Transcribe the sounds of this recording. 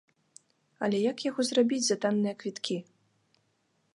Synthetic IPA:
ɐ̰lʲɛjakjaɣɔzrabʲid͡zʲzat̪anːɨjɐkvʲit̪kʲi

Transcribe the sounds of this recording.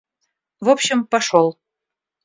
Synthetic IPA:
vopɕɪmpɑʃolˠ

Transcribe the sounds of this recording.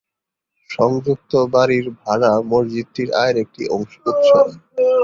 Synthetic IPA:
ʃɔŋd͡ʑuk̚t̪obaɾiɾbʱalamoɾd͡ʑit̪ːiɾa̰eɾek̚ʈḭɔŋʃout̪ʃo

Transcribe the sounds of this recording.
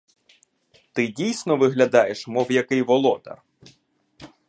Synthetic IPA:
t̪ɪdʲijsʲnɔʋɪɦlʲɐd̪ɑjeʃmɔwjɐkɪjʋɔlˠɔd̪ɐ̰r

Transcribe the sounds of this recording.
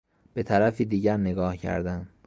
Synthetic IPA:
b̥e̞t̪ʰæɾæfiːd̪iːɟæɾneɡɒːhcʰæ̰ɾd̪æn

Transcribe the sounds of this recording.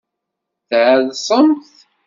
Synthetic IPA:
θʕəðsˤəmθ

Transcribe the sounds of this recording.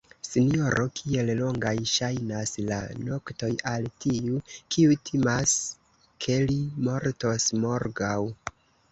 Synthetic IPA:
sinio̞ɾʔo̞kʰie̞llo̞ŋɡajʃajnasla̰no̞kto̞jaltiukʰiutʰimas | kʰe̞limo̞ɾto̞smo̞ɾɡaw

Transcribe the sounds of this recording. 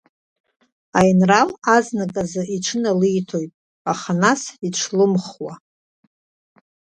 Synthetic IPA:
ajnralaznakʼazɨʔiʈ͡ʂʰɨnalɨjtʰo̞jtʼ | aχanasiʈ͡ʂʰlɨmχwa

